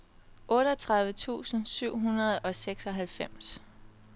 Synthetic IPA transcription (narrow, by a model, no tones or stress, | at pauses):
ʔɔ̽ːɾəɒt͡sʰʁɑ̈ð̞ˠʋət͡sʰṵːsn̩syʊ̰ɦunɐð̞̩ˠɒ̽seɡ̥sɒ̽ɦælfem̰s